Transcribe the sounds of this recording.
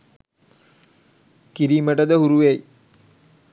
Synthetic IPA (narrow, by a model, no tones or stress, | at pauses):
kiɾiːməʈəd̪əɦuɾuʋej